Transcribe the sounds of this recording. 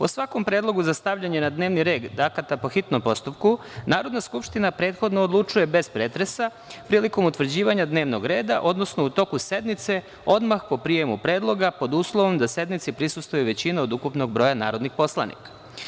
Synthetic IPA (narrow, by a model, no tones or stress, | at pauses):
po̰sʋako̞mpɾe̞ːd̪lˠo̞ɡuzast̪aʋʎaɲenad̪neːʋniɾe̞ːɡ̪d̪akat̪apo̞xit̪nompo̞st̪upku | naːɾo̞d̪naskupʃt̪inapɾe̞ːt̪xo̞d̪noːd̪lˠut͡ʂuje̞be̞spɾeːt̪ɾe̞sa | pɾiːliko̞mut̪ʋr̩d͡ʑiːʋaɲad̪ne̞ːʋno̞ɡɾe̞ːd̪a̰ʔo̞d̪no̞snout̪o̞kuse̞d̪mit̪se̞ | o̞d̪maxpo̞pɾije̞mupɾe̞ːd̪lˠo̞ɡapo̞d̪uːslˠoʋo̞md̪ase̞d̪mit̪sipɾisust̪vʋojuʋe̞t͡ɕinaod̪ukupno̞ɡ̚bɾo̞jana̰ːɾo̞d̪nixpo̞slˠa̰nḭkḁ